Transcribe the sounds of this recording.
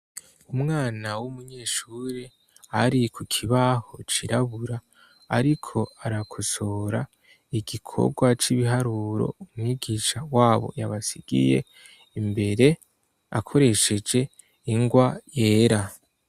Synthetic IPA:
umŋaːnawumuɲe̞ːʃuɾe | aɾikʰukʰiβaho̞t͡ʃiɾaβuɾa̰ː | ɾikʰo̞aɾakʰo̞so̞ɾa | iɡikʰo̞̰ɡwat͡ʃiβiɦaɾuːɾo̞̰umŋiɡiʃawaːβo̞̰jaβasiɡḭje̞̰ | imbe̞ɾe̞ | a̰kʰo̞ɾe̞ʃe̞d͡ʒe̞ | iŋɡwajeːɾa

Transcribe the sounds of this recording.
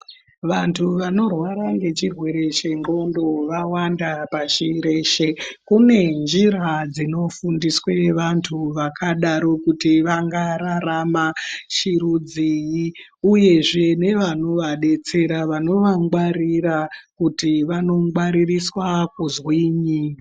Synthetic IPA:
ʋantʰuʋano̞rwaɾaŋɡe̞t͡ʃirwe̞ɾe̞ʃe̞ŋɡo̞ndoʋawandapaʃiɾe̞ʃekune̞nd͡ʒiɾad͡zino̞fundisweʋantʰuʋakʰaɗaɾo̞kutiʋaŋɡaɾaɾamaʃiɾud͡ziji | uje̞ʐe̞ne̞ʋano̞ʋaɗe̞t͡se̞ɾaʋano̞ʋaŋɡwaɾirakutiʋano̞ŋɡwaɾiriswak̚uzwiːɲi

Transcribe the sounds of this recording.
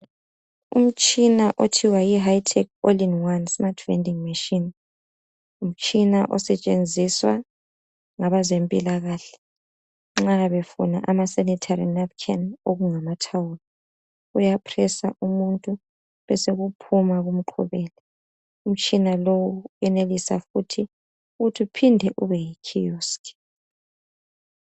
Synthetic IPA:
ṵm̩t͡ʃʼinaʔotʰiwajiɦajitʰɛkolinwansmatʰvɛ̰ndiŋmiʃin | um̩t͡ʃʼinaʔɔ̰sɛt͡ʃʼend͡zʱiswa̰ | ŋaβazempʼilaɣaːɬɛ̥ | ŋ͡ǁaβefuna̰ʔamasɛnitʰaɾinap̚kʰɛnoɣuŋamatʰawuːli | ujapʰrɛsa̰ʔumuntʼu | βɛseɣupʰumaɣum̩ǃʰɔ̰βɛːlɛ | um̩t͡ʃʼinalowuɛnelisa̰futʰi | ɣutʰupʰindʱɛʔuβɛjikʰijustʰʼi̥

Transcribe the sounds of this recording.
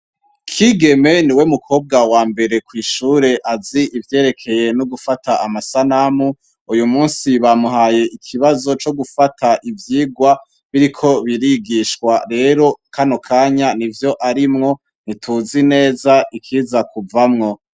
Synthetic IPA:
kʰiɡe̞me̞niwe̞mukʰo̞ːb̚ɡawaːmbe̞ɾe̞kwiːʃuːɾe̞ʔaziʔivje̞ːɾe̞kʰe̞je̞noɡufatʰaamasanamu | ujumuːnsiβamuɦaːje̞ʔikʰiβazo̞t͡ʃo̞ɡufatʰaʔivjiːɡwa | βiɾikʰo̞βiɾiɡiʃkwaɾe̞ːɾo̞kʰanokʰaːɲanivjo̞ʔaɾimŋo̞ | nitʰuzine̞ːzaʔikʰiːzakuvamŋo̞

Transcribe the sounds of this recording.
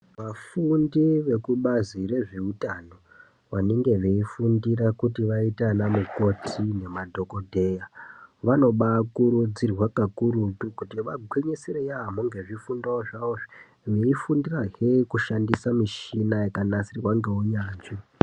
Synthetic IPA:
ʋafundiʋe̞kuɓazire̞ʐiutano̞ | ʋaneŋɡe̞ʋeifundiɾakutiʋaitanamuko̞tʰine̞madʱo̞ko̞dʱe̞jaʋano̞ɓakuɾud͡zirwakakuɾutukutiʋaɡʱweɲeseɾejaːmoŋɡe̞ʐifundaoʐaoʐi̥ | ʋeifundiraɦekuʃandisamiʃinajekanasirwaŋɡeuɲaːnt͡ʃo

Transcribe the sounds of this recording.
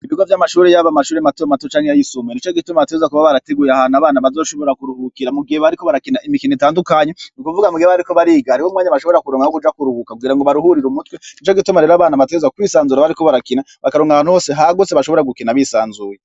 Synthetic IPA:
iβiɡwavjamaʃuːɾejaβamaʃuːɾematomatot͡ʃaːŋhejajisomenit͡ʃoɡitumaateɡezakuβaβaɾateɡuːjahanaβaːnaβazo̞ːʃo̞βo̞ɾakuɾuhukiɾamuɡiheβaɾikoβaɾakinaimikinitaːndukaɲenikuvuɡamuɡieaaɾiko̞βaɾiːɡaaɾikwomŋaːɲaβaʃo̞βoɾakuɾoːŋɡahokud͡ʒakuɾuhukakuɡiɾaŋɡoβaɾuhuɾiɾumutwenit͡ʃoɡitumaɾeɾoaβaːnaβateɡezwakwiːsaːnzuɾaβaɾiko̞βaɾakina | βakaɾoːŋɡaβaːnhuho̞ːse̞ɦaɡoseβaʃo̞βo̞ɾaɡukinaβisaːnzuje

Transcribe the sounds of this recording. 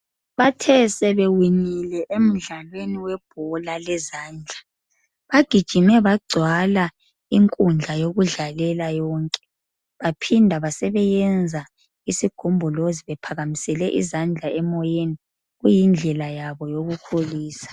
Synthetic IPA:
βatʰɛsɛβɛwiɲilɛʔem̩ɮalweniwɛb̥ʱɔlalɛzaːnd͡ɮʱa | βaɡ̥ʱid̥ʒ̥ʱimɛβaɡ͡ǀʱwala | iŋkʼund͡ɮʱajoɣuɮalɛlajɔːŋkʼɛ̥ | βapʰindʱaβasɛβɛjɛnd͡zʱa | isiɡ̥ʱɔmbʱɔloziβɛpʰaɣamisɛlɛʔḭzand͡ɮʱaɛmɔjeni | ɣujind͡ɮʱɛlajaβɔjoɣukʰoliːsḁ

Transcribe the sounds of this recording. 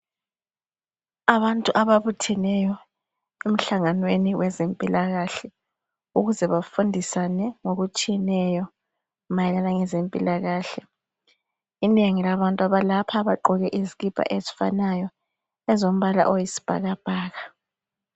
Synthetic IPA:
aβantʼuʔaβaβutʰɛnɛjɔ | em̩ɬaŋanweniwʔɛzempʼilaɣaɬɛ | uɣuzɛβafundʱisanɛŋoɣut͡ʃʼijɛnɛjɔ | majɛlanaŋɛzempʼilaɣaːɬɛ | ineŋilaβantʼuaβalapʰaβaǃɔɣɛʔiziɣib̥ʱʼa̰ʔezifa̰najɔ | ɛzom̩βala̰ʔojisi̥b̥ʱa̰ɣab̥ʱaːɣa

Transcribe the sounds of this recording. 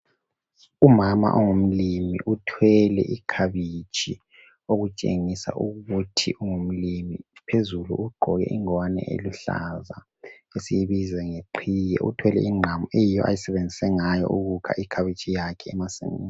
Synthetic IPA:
umama̰ʔɔŋom̩limḭʔutʰwɛlɛ̰ʔikʰaβit͡ʃʼʰi | oɣut͡ʃʼḛŋisa̰ʔuɣutʰiʔuŋum̩limipʰezulṵuɡ͡ǃʱɔɣɛ̰ʔiŋɔwanɛ̰ʔḛluɬa̰za | esijiβizɛŋeǃʰijɛ̰ʔṵtʰwɛlɛ̰ʔiŋ͡ǁʱamuejijɔʔa̰jisɛβend͡zʱisɛŋajɔ̰ʔuɣukʰa̰ʔikʰaβit͡ʃʼijakʰɛːmasḛmin

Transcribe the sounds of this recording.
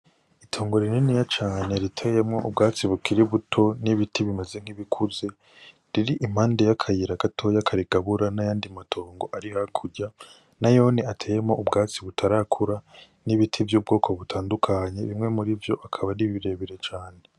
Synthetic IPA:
itʰo̞ːŋɡo̞ɾininijat͡ʃaːɲe̞ɾitʰejemŋo̞ʔub̚ɡaːt͡siβukʰiɾiβutʰo̞niβitʰiβimeze̞ŋ̥hiβikʰuze̞ | ɾiɾiʔim̥aːnde̞jakʰajiɾaɡatʰo̞jakʰaɾiɡ̥aβuɾanajaːndimatʰo̞ːŋɡo̞ʔaɾihakʰuɾɟa | najo̞ːneatʰe̞ːjemŋo̞ʔubɡaːt͡siβutʰaɾakʰuɾa | niβitʰivjuːb̚ɡo̞ːkʰoβutʰaːndukʰaɲe̞βimŋe̞muɾivjo̞ʔakʰaβaniβiɾe̞βiɾe̞t͡ʃaːne

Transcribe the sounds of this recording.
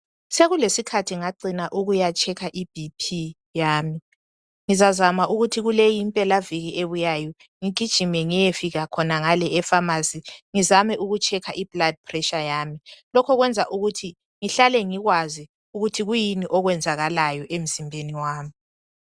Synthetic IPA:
seɣulesikʰatʰiŋaǃinaʔuɣujat͡ʃʰʼɛkʰaʔib̥ʱipʰi | jaːmi | ŋizazamaʔuɣutʰiɣulejimpʼɛlaviɣiʔeβujajɔ | ŋiɡ̥ʱid̥ʒ̥ʱimɛŋijefiɣakʰɔnaŋalɛɛfamasiŋizamɛʔuɣut͡ʃʰɛkʰaʔib̥lad̚pʰrɛʃajaːmilɔkʰɔɣwɛnd͡zʱaʔuɣutʰi | ŋiɬalɛŋiɣwazi | uɣutʰiɣujiniʔɔɣwɛnd͡zʱaɣalajɔʔem̩zimbʱeniwaːmi

